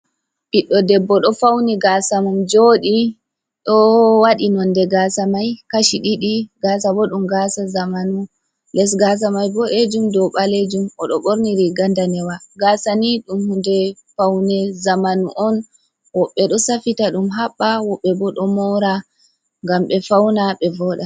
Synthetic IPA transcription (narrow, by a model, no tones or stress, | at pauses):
ʔiɗːɔdɛbːɔɗɔfawnɛɡasamumd͡ʒoɗi | ɗɔwaɗinɔndɛɡaːsamajkaʃiɗiɗiɡas̬abɔɗumɡasazamanu | lɛs̬ɡas̬amajbɔʔed͡ʒumdɔɓaled͡ʒumɔɗɔɓoɾniɾiɡandanɛwaɡasaniɗumhundɛfawnɛzamanuʔɔn | wɔɓːɛɗɔsafitaɗumɦaɓːawɔɓːɛbɔɗɔmɔɾa | ŋɡamɓɛfawnaɓɛvɔɗa